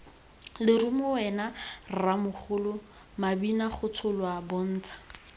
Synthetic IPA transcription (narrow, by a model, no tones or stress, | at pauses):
lɪrumʊɛnarramʊχʊlʊ | mabinaχʊt͡sʰʊlwabʊn̩ːt͡sʰḁ